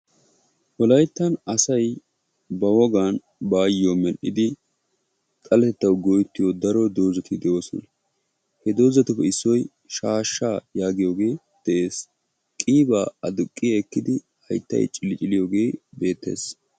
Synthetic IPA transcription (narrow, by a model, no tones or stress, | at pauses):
wɔlɐjt̪ːɐnɐsɐj | bɐwɔɡaːn | baːjɪjomɛlɪd̪ɪ | kʼɐlɛt̪ɛt̪ːɐwɡɔjt̪ːɪjod̪ɐɾɔd̪o̞ːzɐt̪ʰɪd̪ɛoːsɔ̰nɐ | hɛd̪o̞ːzɐt̪ʊfɛɪsːɔj | ʃaːʃːaːjaːɡɪjo̞ːɡe̞ː | d̪̥ɛʔe̞ːs | kʼiːbaːɐd̪ʊkʼːɪjɐɛkːɪd̪ɪ | hɐ̰jt̪ːɐ̰jt͡ʃʼɪlɪt͡ʃʼɪlɪjo̞ːɡe̞ːbe̞ːt̪ːe̞̰ːs